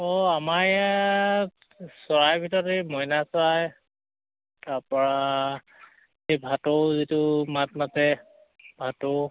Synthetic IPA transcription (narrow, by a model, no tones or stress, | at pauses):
ɔamaɹa | sɔɹajbʱitɔɹtemɔjnasɔaj | taɹpɔɹa | xejbʱatowzitʊmat̚matɛ | bʱato